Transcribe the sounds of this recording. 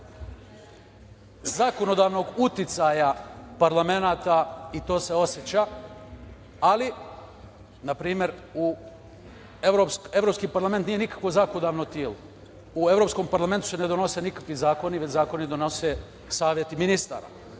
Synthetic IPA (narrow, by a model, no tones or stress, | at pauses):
zako̞no̞d̪aːʋno̞ɡut̪it̪sajapaɾlame̞naːt̪ait̪o̞ːse̞o̞sjet͡ɕa | ali | napɾiːmje̞ɾu | eʋɾopse̞ʋɾoːpskiːpaɾlament̪niːje̞nikḁkʋozakonod̪aːʋnot̪jeːlo | ue̞ʋɾopsko̞mpaɾlˠame̞nt̪u̥se̞ne̞d̪o̞no̞se̞nikḁkʋizaːko̞niʋet͡ɕzaːko̞nid̪ono̞se | saːʋje̞t̪iminist̪a̰ːɾa̰